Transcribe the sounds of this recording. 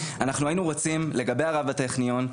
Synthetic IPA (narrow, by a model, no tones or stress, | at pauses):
anaχnuajinuʁot͡simle̞ɡabe̞jaʁavateχnijon